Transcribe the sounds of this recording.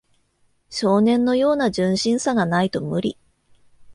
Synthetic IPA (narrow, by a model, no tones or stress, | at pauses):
ɕo̞ːnẽ̞nːo̞jo̞ːnad͡ʑɨ̃ɰ̃ɕĩɰ̃saɡanait̪o̞mɯ̟ɾʲḭ